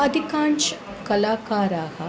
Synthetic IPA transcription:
ɐd̪ʱikaːnʃ | kɐlaːkaːɾaːhɐ

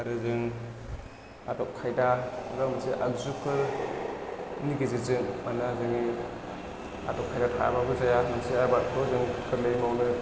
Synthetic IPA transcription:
aɾɯzɯŋ | atɔkkʰːajdaaɾamansiʔaɡzukːɯ | niɡiziɾzɯŋmanazɯŋi | a̰tɔkʰajdatʰaja̰babɯzajamansiaɾbat̚kʰɯzɯŋkʰɯɾlɯjmawnɯ

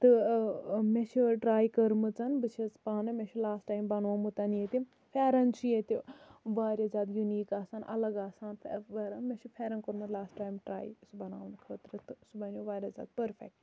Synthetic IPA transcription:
t̪ɨ | met͡ʃʰiɖɾaːjkəɾmɨt͡sɐnbɨt͡ʃʰispaːnɨmẽt͡ʃʰilaːsʈːaːjmbɐnʋɐmut̪ɐnjet̪ʲi | pʰʲeːɾɐnt͡ʃʰjet̪iʋaːɾʲɐzaːd̪juniːkaːsaːnʔɐ̰lɐɡaːsaːnʋɐɾɐmẽt͡ʃʰipʰeːɾɐnkəɾmɨt̪laːsʈʈaːjmʈɾa̰ːjisubɐna̰ːʋnkʰəːt̪ɾɨt̪ɨsubɐnʲoʋaːɾʲɐza̰ːd̪̚pɐɾfʰḛk̚ʈ

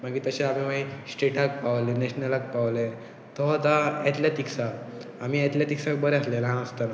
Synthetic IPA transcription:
maɡiːt̪əɕaam̤imaisʈeʈak̚paʋlenɛɕnəlak̚pawle | t̪ɔɦt̪aɛt̪ljaʈ̪iksaːmiːɛt̪ljeʈ̪iksakbəɾɛaslelɦãnəst̪ana

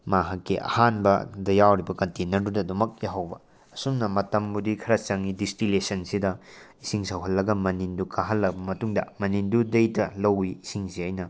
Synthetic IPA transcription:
maɦɐkːiʔɐ̰hanbɐdɐjawɾibɐkɐntenɐɾdudɐdumɐk̚jaɦɐwbɐ | ɐsumnɐmɐtɐmbudikʰɐɾɐt͡ʃɐŋidistilesɐnsidɐisiŋsɐwɦɐlːɐɡɐmɐnindukʰaɦɐlːɐbɐmɐtuŋdɐ̰mɐnindudɐjtɐlɐwiːsiŋsiɐjnɐ

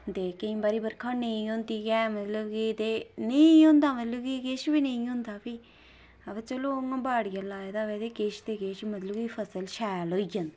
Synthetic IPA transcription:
t̪eːkəĩːbaːɾiːbəɾkʰaneĩɦõːnd̪iːkɛːmət̪ləbkit̪enəĩɦʊ̃ːnd̪aːmət̪ləbkikeʃbiːnəĩɦʊ̃ːnd̪aːpiː | əbət͡ʃəloːŋabaːɽɪjalaːed̪aːʋɛːd̪eːkeʃt̪eːkeːʃmət̪ləbiːpʰəsəlʃɛːloːijən

